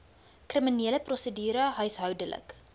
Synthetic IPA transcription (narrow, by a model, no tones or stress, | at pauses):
kriminiələprosədyːɾəɦœɥsɦœwdəlʔə̰k